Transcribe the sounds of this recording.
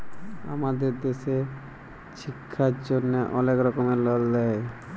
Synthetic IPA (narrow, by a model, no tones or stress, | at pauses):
a̰mad̪eɾd̪eʃe | ʃikʰːaɾd͡ʑonːeʔɔnekɾɔkomeɾlɔlːɛe